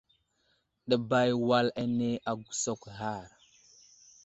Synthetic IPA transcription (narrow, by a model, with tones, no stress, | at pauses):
ɗə˨ba˦jwa˦la˦ne˦ʔa˨ɡu̥˨so˦kɣa˦˨ɾ